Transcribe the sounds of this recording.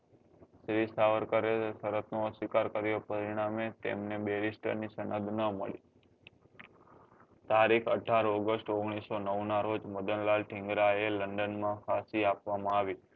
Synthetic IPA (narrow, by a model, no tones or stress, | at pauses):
ʃɾisaʋəɾkəɾesəɾət̪noəsikaɾkəɾijopəɾiɽ̃amet̪ḛmnebeɾisʈə̰ɾnisənəd̪ʱnəməɭi | t̪aɾikʰəʈʰaɾoɡəsʈoɡɽ̃isonəwnaɾod͡ʒməd̪ənlalʈʰɪ̃ŋɡɾaeləɳɖənmãkʰasiapʋamãaʋi